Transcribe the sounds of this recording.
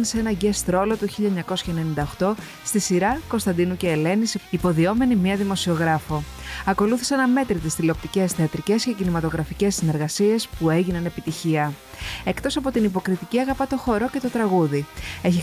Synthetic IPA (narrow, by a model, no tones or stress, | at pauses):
nsee̞nɐʝe̞st̪ɾo̞lo̞t̪uçiʎɐeɲɐko̞sçɐene̞nind̪ɐoxt̪o̞ | st̪isiɾɐko̞st̪ɐnd̪inuce̞ːle̞nisipo̞ðio̞me̞nimiɐðimo̞sio̞ɣɾɐfo | ɐko̞luθi̥senɐme̞t̪ɾit̪ist̪ilo̞p̚t̪ice̞sθeɐt̪ɾice̞sce̞cinimɐt̪oɣɾɐfice̞sːine̞ɾɣɐsie̞spue̞ʝinɐne̞pit̪içiɐe̞kt̪o̞sɐpo̞t̪inipo̞kɾit̪iciɐɣɐpɐt̪o̞xo̞ɾo̞ce̞t̪o̞t̪ɾɐɣuðie̞çi